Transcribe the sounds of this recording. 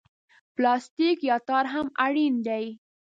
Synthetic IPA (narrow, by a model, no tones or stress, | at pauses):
plɑst̪ikjɑt̪ɑɾɦamaɽind̪aj